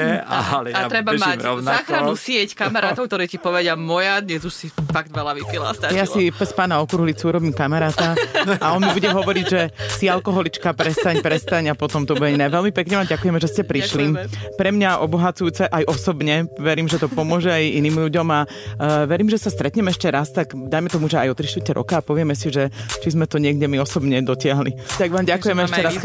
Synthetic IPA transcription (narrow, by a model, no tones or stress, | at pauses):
aɾɛbamaɔnzaaːkxɾanusɪɛckamaɾaːt̪ɔʊkt̪ɔɾiːcipɔʋɛɟɪamɔjad̪ɲɛzuʃsifaɡ̚d̪ʋɛlaʋipila̰st̪ajasipɛspaːnaɔkɾuɦlit͡suuɾɔbiːmkamaɾaːt̪aaɔnmibuɟɛɦɔʋɔɾiɟʒɛsialkɔɦɔlit͡ʃkapɾɛst̪aɲpɾɛst̪aɲapɔt̪ɔmt̪ɔbuɛɛnɛʋɛlmipɛkɲɛʋamɟakujɛmɛʒɛscɛpɾiʃlimpɾɛmɲaʔɔbɔɦat͡sujuːt͡sɛʔajʔɔsɔbɲɛʋɛɾiːmʒɛt̪ɔpɔmʊɔʒɛajiniːmʎuɟɔma | ʋɛɾiːmʒɛsast̪ɾɛt̪ɲɛmɛʃcɛɾast̪aɡd̪ajmɛt̪ɔmuʒɛajɔt̪ɾiʃt̪utɛɾʔɔ̰kaːpɔʋɪɛmɛsiʒɛt͡ʃizmɛt̪ɔɲɪɛɡɟɛmiɔsɔbɲɛd̪ɔcɪaɦlit̪aɡʋaːmɟakujɛmɛɛʃcɛɾas